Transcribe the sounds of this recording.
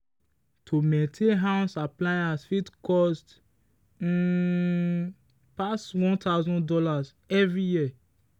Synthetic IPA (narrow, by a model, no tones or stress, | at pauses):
tʰomɛ̃tʰeɦãsaplajasfitkɔst̩ | paswɔ̃ntaʊzɔ̃ndɔlaz | ɛvɹiji